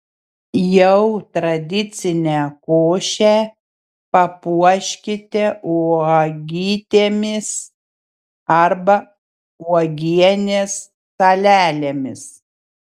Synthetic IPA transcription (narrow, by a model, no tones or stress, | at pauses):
jɛʊt̪ɾɐd̪ʲɪt̪sʲɪnʲɛːkoːʃʲæ | pɐpuɔʃʲkʲɪt̪ʲɛuɔɡʲiːt̪ʲeːmʲɪs | ɐɾbɐ | uɔɡʲiɛnʲeːsː | ɐlʲæːlʲemʲɪs